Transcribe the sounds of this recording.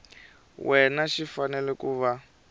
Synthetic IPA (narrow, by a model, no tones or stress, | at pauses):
wʔɛnaʃifanɛlɛkuːβa